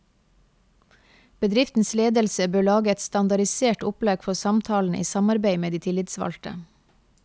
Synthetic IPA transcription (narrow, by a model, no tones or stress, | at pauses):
b̥əd̪ɾɪft̪n̩sleːd̪əlsəbøːɭɑːɡəɛt̪st̪ɑnd̪ɑɾɪseːʈʊplɑːɡfɔsɑmt̪ʰɑːln̩ʔḭːsɑmɑɾbeɪmeːd̪iːt̪ʰɪlɪt̪sʋɑ̰lʈə̰